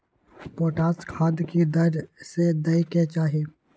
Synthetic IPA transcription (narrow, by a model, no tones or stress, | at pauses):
poːʈaːskʰaːd̪kid̪əɾsed̪ɐiket͡ʃaːɦieː